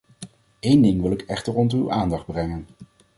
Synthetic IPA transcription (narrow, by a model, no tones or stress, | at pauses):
ejndɪŋʋɪlˠɪkɛχtəɹɔnty̰wʔaːndɑχd̚brɛŋən